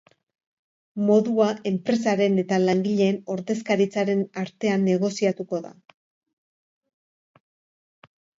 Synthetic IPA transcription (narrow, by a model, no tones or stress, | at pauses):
mo̞ðuae̞mpɾe̞saɾe̞ne̞t̪alaŋɡiʎe̞ːno̞ɾðe̞s̬kaɾit͡saɾe̞naɾt̪e̞anːe̞ɣ̞o̞siat̪uko̞ða̰